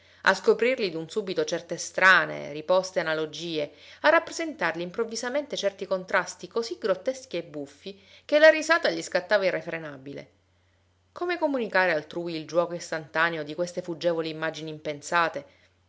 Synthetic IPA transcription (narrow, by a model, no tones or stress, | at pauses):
a̰skopɾirlid̪unsubit̪ot͡ʃɛrt̪est̪ɾaːnḛɾipɔst̪eanalod͡ʒiːearːapːɾezent̪arliːmpɾovːizament̪et͡ʃɛrt̪ikont̪ɾast̪ikoziɡɾot̪ːeskiebːufːi | k̟elaɾizaːt̪aʎiskat̪ːaːvairːefɾenabilḛ | koːmekomunikaːɾealt̪ɾuːiild͡ʒwɔːkoist̪ant̪aneod̪ikwest̪efud͡ʒɛːvoliːmːad͡ʒiniːmpensaːt̪e